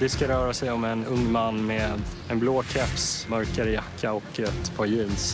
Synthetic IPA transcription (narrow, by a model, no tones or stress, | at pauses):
d̪ɛskaɾœːɾasɛjɔmɛnɵŋːmanːmeːd̪ | ɛnbloːkʰɛpsmœɾkaɾəjakʰːaɔkːɛt̪pʰɑːɾjiːns